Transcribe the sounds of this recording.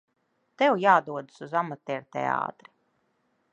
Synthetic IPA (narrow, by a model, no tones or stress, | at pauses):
t̪ɛwjaːd̪uɔd̪ɨ̥suzamat̪ɛɾt̪ɛ̰a̰ːt̪ɾi̥